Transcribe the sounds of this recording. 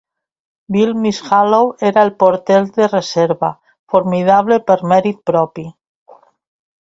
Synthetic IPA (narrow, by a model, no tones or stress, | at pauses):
bilmisxaloweɾaelpoɾt̪eld̪ereseɾβa | foɾmið̞aβ̞lepeɾmeɾit̪̚pɾopi